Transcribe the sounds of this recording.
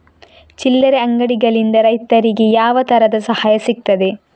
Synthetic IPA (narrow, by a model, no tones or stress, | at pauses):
t͡ʃilːɐɾeɐŋɡɐɽiɡɐɭind̪ɐɾɐjt̪ɐɾiɡejaːʋɐt̪ɐɾɐd̪ɐsɐhaːjɐsik̚t̪ɐd̪e